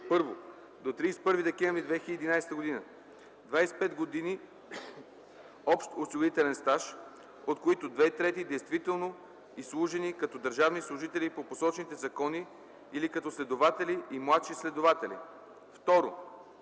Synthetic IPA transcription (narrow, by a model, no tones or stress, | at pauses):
pɤɾvo | d̪ot̪ɾiːsɛ̥pɤɾvid̪ɛkɛ̃ɱvɾid̪vɛxilʲid̪inajst̪əɡod̪inə | d̪vajsɛ̥pɛd̪ɡod̪ini | ɔpʃt̪osiɡoit̪ɛlɛnst̪aʃ | ot̪koit̪ʊd̪vɛit̪ɾɛt̪id̪ɛjst̪vit̪ɛlˠno | islˠuʒɛnikɐt̪ɔd̪əɾʒavnislˠʊʒit̪ɛlipoposɔt͡ʃnit̪ɛzɐkɔniː | likɐt̪ɔslɛd̪ovat̪ɛliʔːmlˠat̪ʃislɛd̪ovat̪ɛlḭ | ft̪ɔɾo